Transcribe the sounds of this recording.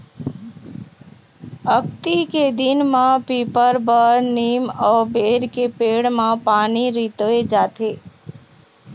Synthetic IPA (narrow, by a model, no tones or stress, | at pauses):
ək̚t̪iked̪ɪnmãpiːpəɾbəɾniːmɔːbeːɾkepeːɽmãpaːniɾit̪oed͡ʒaːt̪e